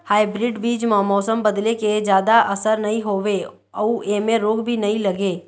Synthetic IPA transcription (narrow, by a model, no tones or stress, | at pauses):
haːɪbɾɪɖbiːd͡ʒmãmɔːsəmbɐd̪leked͡ʒjaːd̪aʔɐsəɾnɐɦĩɦoːʋe | ɔuʔeːmẽɾoːɡbʱinɐɦĩlɐɡeː